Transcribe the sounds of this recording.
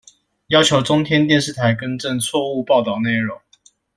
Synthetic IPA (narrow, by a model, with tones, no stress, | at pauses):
jɑ˥ʊt͡ɕʰjo˧˥ʊʈ͡ʂʊ˥ŋt̪ʰjɛ˥nt̪jɛ˥˧nʂɻ̩˥˨t̪ʰa˨˥ɪkə˥nʈ͡ʂə˥˨nt͡sʰwɔ˥˧u˥˧pɑ˥˧ʊt̪ɑ˥˩ʊne˥˩ɪɻʊ˨˦ŋ